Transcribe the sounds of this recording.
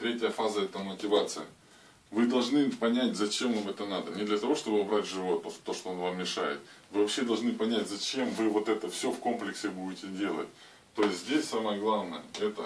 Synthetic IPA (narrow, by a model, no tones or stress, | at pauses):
t̪ɾʲetʲɪjəfazəɛt̪əmətʲɪvat̪sɨjɪ̰ | vɨd̪ɐlˠʐnɨpɐnʲætʲzɐt͡ɕemvamɛt̪ənad̪ənʲɪd̪lʲɐt̪ɐvo̞ʂt̪o̞bɨɐbɾatʲʐɨvot̪ːoʂt̪ːo̞ʂt̪oo̞nvammʲɪʂa̰jɪ̰t̪̚vɨvɐpɕːed̪ɐlˠʐnɨpɐnʲætʲzɐt͡ɕe̞mvɨvo̞t̪ɛt̪əfsʲofko̞mplʲɪksʲɪbuɪtʲɪdʲe̞lˠə̰tʲ | t̪ːo̞jɪsʲtʲzʲdʲesʲsaməjəɡlˠavnəjəɛt̪ə